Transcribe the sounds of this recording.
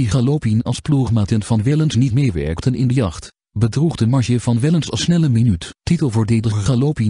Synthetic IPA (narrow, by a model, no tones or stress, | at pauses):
iχalopinɑ̰lˠspluχmaːtənvɑnʋɛlənsnitmejʋɛ̰ɹktʰənɪ̰ndəjɑχt | bədruχdəmɑɹʃəvɑnʋɛlənsɑsnɛləminyttitəlˠvoːɹdeːdəχalopi